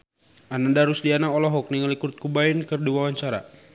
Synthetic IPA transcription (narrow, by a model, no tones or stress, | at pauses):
anadaɾusdianaɔlɔɦɔk̚niŋalikurt̪̚kubainkərduwawaɲt͡ʃaɾa̰